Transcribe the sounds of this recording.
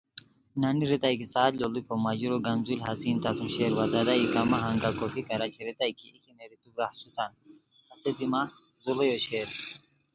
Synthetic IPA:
naniɾit̪ajkisaːt̪lolikʰomad͡ʑuɾoɡanzulʲɦasiːnt̪asumɕeɾwazad̪aikamaɦaŋɡakofikɐɾat͡ʃʰiɾit̪ajkiːkʰimeɾit̪ubɾahsusan | ɐsed̪ima | zulejoɕeːɾ

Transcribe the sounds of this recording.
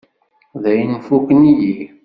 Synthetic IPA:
ðæjnfukəniji

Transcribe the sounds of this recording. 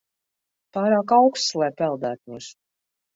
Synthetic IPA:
paːɾaːkawkst̪slˠɛjpɛlˠd̪æːt̪mus

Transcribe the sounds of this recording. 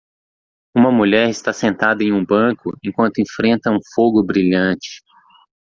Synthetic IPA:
ũmɐmuʎɛɾɪst̪asẽnt̪ad̪ɐẽj̃ũbɐ̃kʊẽkwɐ̃nt̪ʊẽfɾẽnt̪ɐũfoɡʊbɾiʎɐ̃t͡ʃɪ̥

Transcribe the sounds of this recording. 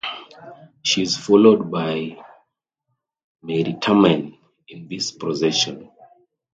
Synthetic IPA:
ʃizfɔlod̚baj | mɛɹitʰamãn | ĩnðispʰɹɔzɛʃɔ̃n

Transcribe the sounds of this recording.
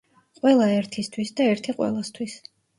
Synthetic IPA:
qʼwɛlˠaɛɾt̪ʰist̪ʰwisd̪aɛɾt̪ʰiqʼwɛ̰lˠast̪ʰwis

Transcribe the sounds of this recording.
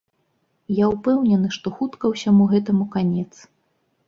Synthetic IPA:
jaupɛwnʲɛnɨʂt̪ɔxut̪kɐwsʲamuɣɛt̪ɐmukanʲɛt̪s

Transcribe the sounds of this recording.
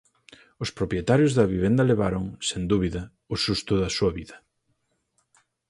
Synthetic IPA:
ʊspɾopɾjet̪aɾjʊzðɐβiβend̪ɐleβaɾʊŋsend̪uβiðɐ | ʊsust̪ʊðɐsuɐβiðɐ

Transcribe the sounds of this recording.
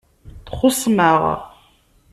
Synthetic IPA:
θχʊsˤməʁ

